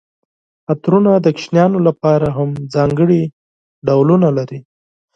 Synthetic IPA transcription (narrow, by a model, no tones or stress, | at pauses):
at̪ɾunad̪əkʃnjɑnolapɑɾaɦamd͡zɑŋɡəɽi | ɖawlunalaɾi